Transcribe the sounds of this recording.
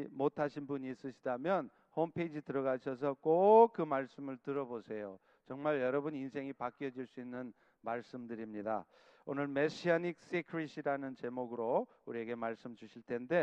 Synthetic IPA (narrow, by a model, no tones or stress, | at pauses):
motʰaɕʰinbuɲiːs͈ɯɕʰidamjʌn | hompʰe̞id͡ʑitɯɾʌɡaɕʰʌs̬ʰʌk͈ok͈ɯmaɭs͈ɯmɯɭtɯɾʌbosʰe̞jo | t͡ɕʌŋmaɭjʌɾʌbɯninsʰe̞ŋipak͈ijʌd͡ʑiɭs͈uinːɯn | maɭs͈ɯmdɯɾimɲida̰ | onɯɭmeɕʰianik̚s͈ikʰɾiɕʰiɾanɯnt͡ɕe̞moɡɯɾo | uɾie̞ɡe̞maɭs͈ɯmd͡ʑuɕʰiɭtʰe̞nde̞